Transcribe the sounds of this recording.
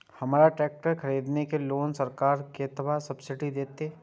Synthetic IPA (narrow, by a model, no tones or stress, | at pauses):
hɐmaːɾaʈɛːk̚ʈəɾkʰɐɾiːd̪nekeloːnsɐɾkaːɾket̪əbasɐbsɪʈid̪eːt̪eː